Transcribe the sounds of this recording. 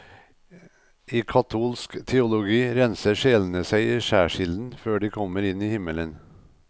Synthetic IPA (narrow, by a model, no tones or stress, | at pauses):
iːkʰɑt̪ʰuːlskt̪ʰɛʊlʊɡiːɾɛnsəʂeːln̩əsæɪiːʃæːʂɪld̪n̩føːɖiːkʰɔmːəɾɪniːhɪmələn